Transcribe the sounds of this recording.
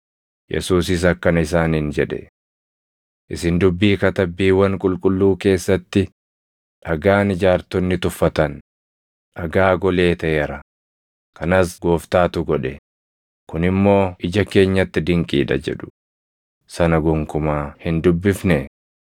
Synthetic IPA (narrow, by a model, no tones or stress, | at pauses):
jʔɛ̰suːs̬ɪs̬ɐkːɐnɪs̬aːnind͡ʒɛᶑɛ̰ | ʔɪsɪnd̪ʊbːiːkɐt̪ɐbːiːwɐŋkʼʊlkʼʊlːuːke̞ːsːɐt̪ːɪ | ᶑɐɡaːnɪd͡ʒaːɾt̪ɔnːɪt̪ʊfːɐt̪ɐn | ɐɡaːɡɔle̞ːt̪ɐʔeɾɐ | kɐnɐsɡo̞ːft̪aːt̪ʊɡɔᶑɛ | kʊnɪmːo̞ːʔɪd͡ʒɐke̞ːɲːɐt̪ːɪd̪ɪŋkʼḭːᶑɐ̰d͡ʒɛ̰ᶑʊ̥ | sɐnɐɡʊŋkʊmaːhɪnd̪ʊbːɪfnɛ